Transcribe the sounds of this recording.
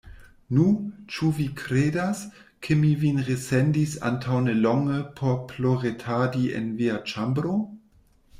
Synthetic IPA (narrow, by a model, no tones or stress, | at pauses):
nut͡ʃuvikʰɾeːdas | kʰemivinʁesendisa̰ntʰawnelɔŋəpʰopʰloʁetʰadiḛnviat͡ʃambɾo